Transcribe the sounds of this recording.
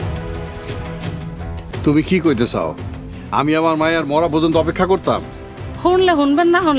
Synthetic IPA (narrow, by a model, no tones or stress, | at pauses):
t̪umikikojt̪et͡ɕʰa̰o | a̰miamaɾmajaɾmɔɾapod͡ʑont̪oɔpekʰːakoɾt̪a̰m | hunleɦunbenːaɦun